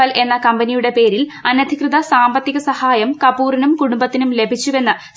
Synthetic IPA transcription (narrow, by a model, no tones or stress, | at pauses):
ɐle̞nːɐkɐmbɐnijuɽe̞pe̞ːɾilɐnɐd̪ʱikrɨðɐsaːmbɐt̪ːiɣɐsɐhaːjɐmkɐpuːrinumkuɽumbɐt̪ːinumle̞bʱit͡ɕːuʋe̞nːɨ